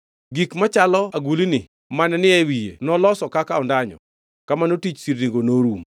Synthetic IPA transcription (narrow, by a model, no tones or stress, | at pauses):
ɡikmat͡ʃalɔaɡulinɪ | manɛnɪɛwijḛnɔlɔsɔkakaɔndaɲɔ̰ | kamanotit͡ʃsiɾniŋɡonoɾum